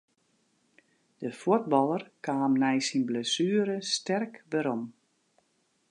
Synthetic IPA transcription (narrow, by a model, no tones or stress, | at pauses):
d̥əfuət̚bɑlˠərkaːmnɛjsinblɛsyːəɾəstɛrkʋɛɾom